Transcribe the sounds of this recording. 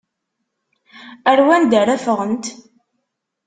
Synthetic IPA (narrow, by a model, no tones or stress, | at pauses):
æɾwænd̪æɾæfəʁənt̪